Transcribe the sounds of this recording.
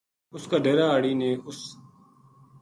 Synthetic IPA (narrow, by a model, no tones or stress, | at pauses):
ʊskaːɖeːɾaːaːɽiːnẽːʔʊs